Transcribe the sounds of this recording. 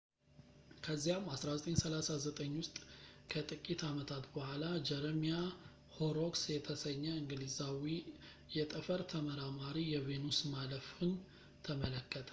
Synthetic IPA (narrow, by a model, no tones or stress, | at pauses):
kʰəzːijamasɾazət̪ʼəɲsəlasazət̪ʼəɲːwʊst̪ʼkʰət̪ʼɨkʼːit̪ʰamət̪ʰat̪bəhʷalad͡ʒɛɾmija | hoɾoksjɛt̪ʰəsəɲːəɨŋɡɨlizawi | jɛt̪ʼəfəɾt̪ʰəməɾamaɾijɛve̞nusmaləfun | t̪ʰəmələkʰːət̪ʼə